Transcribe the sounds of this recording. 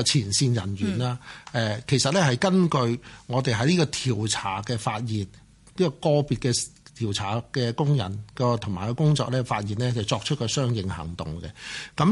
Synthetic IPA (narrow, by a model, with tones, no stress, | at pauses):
t͡sʰiː˨˩nsiː˧njɐ̰˨˩nɥyː˨˩naː˧ɛː˨kʰe˨˩jsɐ˨t̚lɛː˥hɐ˨jkɐ˥nkɵ˧ɥŋɔː˨˧t̪e˨jɦɐ˧jliː˥kɔː˧t̪ʰiː˨˩wt͡sʰaː˨˩kɛː˧faː˧t̚jiː˨˩n | liː˥kɔː˧kɔː˧piː˨˧t̚kɛː˧t̪ʰiː˨˩wt͡sʰaː˨˩kɛː˧kʊ˥ŋjɐ̰˨˩nkɔː˧t̪ʰʊ˨ŋmaː˨jkɔ˧kʊ˥ŋt͡ʃɔː˧k̚lɛː˥faː˧t̚jiː˨˩nlɛː˥t͡sɐ˨wt͡sɔː˧k̚t͡ʃʰɵ˥t̚kʰɔ˧sœː˥ŋjɪ˨˧ŋhɐ̰˨˩ŋt̪ʊ˨˩ŋkɛ̰˧kɐ˨˦˥m